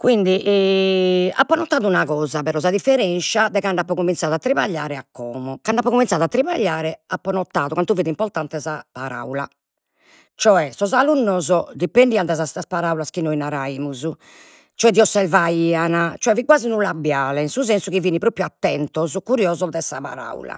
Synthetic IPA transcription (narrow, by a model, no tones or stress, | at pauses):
kwind̪iʔɛ | a̰pːɔnɔt̪ːaːðunaɣɔːzapɛɾɔzaðifːɛɾɛnʃad̪ɛkaɳɖapːɔkumint̪saːðat̪ːɾiβaʎːaːɾɛakːɔːmɔkaɳɖapːɔkuminsaːðuat̪ːɾiβaʎːaːɾɛapːɔnɔt̪ːaːðukwant̪uviːðɛimpɔɾt̪ant̪ɛzapaɾa̰ula̰ | t͡ʃɔɛsɔzalunːɔzɔd̪ipenɖiːand̪ɛzasaspaɾaːulaskinoinaɾaiːmuzu | t͡ʃɔɛd̪iɔsːɛlvaiːanat͡ʃɔɛviɡwaːzinulabːjaːlɛinsuzɛnsukiviːnipɾoːpːɾjuat̪ːɛnt̪ɔzɔkuɾjɔːzɔd̪ɛsapa̰ɾa̰ṵla̰